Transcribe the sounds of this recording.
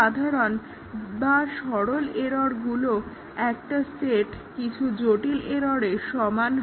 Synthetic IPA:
ad̪ʱaɾon | baʃɔɽoleɾɔɾɡulo | ɛk̚ʈaseʈkit͡ɕʰud͡ʑoʈileɾɔɾeʃɔman

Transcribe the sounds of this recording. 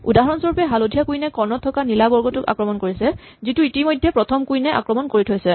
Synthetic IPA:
udaɦɔɹɔnsɔɹupɛɦalodʱijakujnɛkɔnɔtʰːɔkanilabɔɹɡɔtʊka̰kɹɔmɔnkoɹisɛ | zituitimɔjdʱːɛpɹɔtʰɔmkujnɛʔa̰kɹɔmɔnkoɹitʰojsɛ

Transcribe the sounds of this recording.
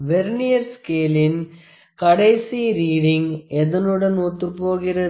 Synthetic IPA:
ʋeɾnijɐɾskeːlin | kɐɽɐjsiɾiːɽiŋeðɐnuɽɐnoːt̪ːɯpːoːɣɪɾɐ

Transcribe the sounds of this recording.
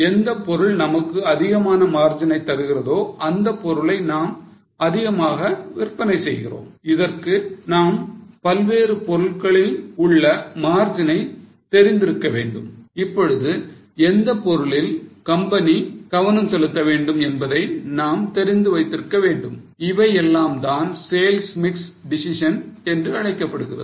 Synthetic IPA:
ɛnd̪ɐpːɔɾɯɭnɐmɐkːɯɐðɪɣɐmaːnɐmaːɾd͡ʒɪnɐɪt̪ːɐɾɯɣɪrɐðoːʔɐnd̪ɐpːɔɾɯɭɐɪnaːm | ɐðɪɣɐmaːɣɐʋɪrpɐnɐɪsɛjɣɪ̰ro̰ːmɪðɐrkɯnaːmpɐlʋeːɾɯpɔɾɯɭɣɐɭɪlʊɭːɐmaːɾd͡ʒɐnɐɪt̪ɛɾɪnd̪ɪɾɯkːɐʋḛːɳɖɯmɪpːɔɻɯðɯ | ɛnd̪ɐpːɔɾɯɭɪlkɐmbɐniɡ̥ɐʋɐnɐmsɛlɯt̪ːɐʋeːɳɖɯmɛnbɐðɐɪnaːmt̪ɛɾɪnd̪ɯʋɐɪt̪ːɪɾɯkːɐʋeːɳɖɯmɪʋɐɪɛlːaːmt̪aːnseːlsmɪksɖɪsɪʂɐnɛndrɯɐɻɐɪkːɐpːɐɽɯɣɪrɐ̰ð

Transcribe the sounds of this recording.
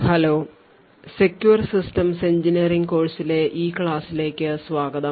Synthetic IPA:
hɐloː | sekjuɐrsisʈɐmseɲd͡ʑiniɐriŋkoːɻsileʔiːkɭaːsile̞ːkʲːɨsʋaːɡɐðɐ

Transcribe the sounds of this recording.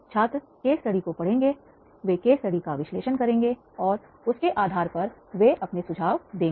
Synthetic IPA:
t͡ʃʰaːt̪ɾə | keːsɐɽikopɐɽ̤ẽːŋɡe | ʋeːkeːsɐɽikaʋɪʃleːʃənkɐɾẽːŋɡe | ɔːɾ | ʊskeʔaːd̪ʱaːɾpɐɾʋeʔɐpnesʊd͡ʒʱaːʋd̪ẽː

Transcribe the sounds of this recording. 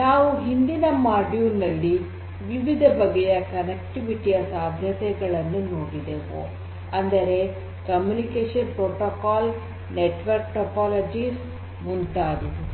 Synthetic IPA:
naːʋuɦind̪inɐmaːɾɖjuːnɐlːi | ʋiʋid̪ʱɐbɐɡɛjɐkɐnek̚ʈiʋiʈijɐsaːd̪ʱjɐt̪ɛɡɐɭɐnːunoːɽid̪eːʋo̰ | ɐnd̪ɐɾe̞ | kɐmjunikeːʂɐnpɾoːʈokaːl | neʈʋɐɾk̚ʈɐpaːlɐd͡ʒiːs | munt̪aːd̪i

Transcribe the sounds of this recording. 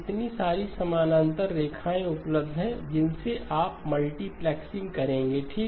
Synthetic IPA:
ɪt̪nisaːɾisɐmaːnə̃nt̪əɾːeːkʰaːẽʊpləbd̪ʱɦɛ̃d͡ʒɪnseʔʔaːpmɐlʈiplɛːksɪ̃ŋɡkɐɾẽːŋɡeʈʰiːk

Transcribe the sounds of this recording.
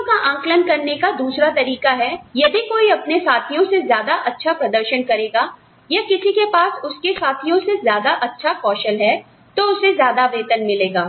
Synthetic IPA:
kaʔãːŋklənkɐɾnekad̪uːsɾat̪ɐɾiːkaɦɛjɐd̪ikoːiɐpnesaːt̪ʰijõsezjaːd̪aʔɐtːʃʰapɾɐd̪əɾʃənkɐɾeːɡaː | jakɪsikepaːsʊskesaːt̪ʰijõsezjaːd̪aʔɐtːʃʰakɔːʃəlɦɛ | t̪oʊsezjaːd̪aʋeːt̪ənmɪleːɡaː

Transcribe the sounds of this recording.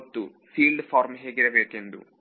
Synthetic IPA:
t̪ːu | fiːlɖɨfoːɾmɦeːɡiɾɐʋeːkːend̪ṵ

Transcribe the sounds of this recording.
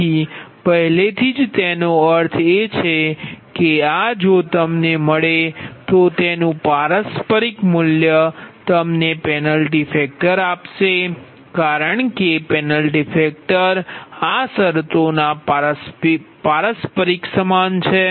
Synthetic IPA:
ipəɦlet̪ʰid͡ʒt̪enoəɾt̪ʰet͡ʃʰekead͡ʒot̪əmneməɭet̪ot̪enũpaɾəspəɾikmʊljət̪əmnepɛnəlʈifek̚ʈəɾapʃe | kaɾəɳkepɛnəlʈifek̚ʈəɾasəɾt̪ona | paɾəspəɾiksəmant͡ʃʰe

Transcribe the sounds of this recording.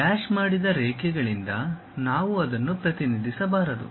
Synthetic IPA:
kaːʃmaːɽid̪ɐɾɛːkɛɡɐɭind̪ɐ | naːʋuɐd̪ɐnːupɾɐt̪inid̪ʱisɐbaːɾɐd̪ṵ

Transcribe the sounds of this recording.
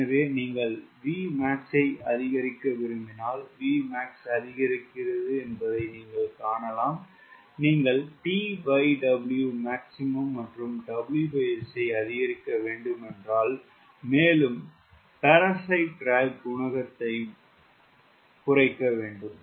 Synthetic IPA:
ɐʋeːniːŋɡɐɭʋiːmaːkt͡ʃɐɪʔɐðɪɣɐɾɪkːɐʋɪɾɯmbɪnaːlʋiːmaːksɐðɪɣɐɾɪkːɪrɐðɯɛnbɐðɐɪniːŋɡɐɭkaːɳɐlaːm | niːŋɡɐɭʈiːʋɐɪɖɐbɪljumaːksɪmɐmːɐʈrɯmɖɐbɪljupɐjɐsɐɪɐðɪɣɐɾɪkːɐʋeːɳɖɯmɛndraːl | meːlɯm | pɐɾɐsɐɪʈ̚ɖɾaːɪʋkʊɳɐɣɐt̪ːɐɪ | kʊrɐɪkːɐʋeːɳɖɯm

